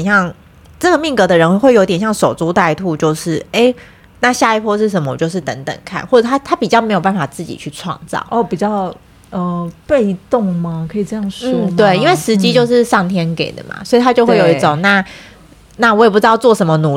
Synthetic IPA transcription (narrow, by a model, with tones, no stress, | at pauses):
nɕjɑ˥˧ŋ | ʈ͡ʂə˥˩ɡə˩mi˥˩ŋkɤ˧˥d̪ə˧˨ɻə˧˥n˧xwe˥˩ɪjo˧˥ʊt̪jɛ˨˩nɕjɑ˥˩ŋʂo˨˩ʊt͡su˥t̪a˥˧ɪt̪ʰu˥˧t͡ɕjo˥˧ʊʂɻ̩˥˩e˥ɪ | na˥˧ɕja˥˧i˥˩pʰwɔ˥ʂ̬ɻ̩˥˩ʂ̬ə˧˥mə˧˩˨t͡ɕjo˥˧ʊʂ̬ɻ̩˥˩t̪ə̰˧˥ŋt̪ə̰˨˩ŋkʰa̰˥˩nxwɔ˥˩ʈ͡ʂɤ˨˩t̪ʰa˥t̪ʰa˥pi˨˩t͡ɕjɑ˥ʊm˧˥jo˨˩pa˥n˩fa˨˩t͡sɹ̩˥˩t͡ɕḭ˨˩t͡ɕʰy˥˧ʈ͡ʂʰwɑ̰˥˧ŋt͡sɑ̰˥˩ʊɔ˥˩pi˨˩t͡ɕjɑ˥˩ʊ | ə˩pe˥˧ɪt̪ʊ˥˩ŋma˩kʰɤ˧˥i˨˩ʈ͡ʂɤ˥˧jɑ˩˥˩ŋʂn̩ɔ˥˩˥t̪we˥˩ɪi˥nwe˥˩ɪʂɻ̩˧˥t͡ɕi˥t͡ɕjo˥˧ʊʂɻ̩˥˧ʂɑ˥˩ŋt̪ʰjɛ˥nkḛ˨˩ɪd̪ə̰˩ma̰˨˩swɔ˧˥i˨˩t̪ʰa˥t͡ɕjo˥˧ʊxwe˥˩ɪjo˨˩i˥˧˩ʈ͡ʂo˨˩ŋna˥˩ | na˥˩wɔ˧˥je˨˩p̬u˥˩ʈ͡ʂ̩ɻ̩˥ɑ˥˧ʊt͡swɔ˥˩ʂə˧˥nmə˧nu˨˩